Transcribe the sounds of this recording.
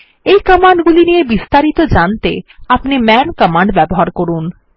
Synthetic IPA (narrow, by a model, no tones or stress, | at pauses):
ejkɔmaɳɖɡulinijebist̪aɾit̪od͡ʑant̪eapnimɛnkɔmaɳɖbɛboɦaɾkoɾun